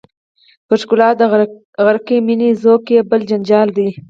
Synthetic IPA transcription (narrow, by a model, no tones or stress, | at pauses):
pəʃkʊlɑːt̪̚d̪ | ɣaɾkiminizokebəld͡ʒand͡ʒɑːld̪i